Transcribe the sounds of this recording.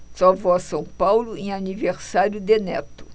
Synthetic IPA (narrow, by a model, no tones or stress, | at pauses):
sɔvɔsɐ̃w̃pawlʊẽaniveɾsaɾjʊd̪enɛ̰t̪ʊ̥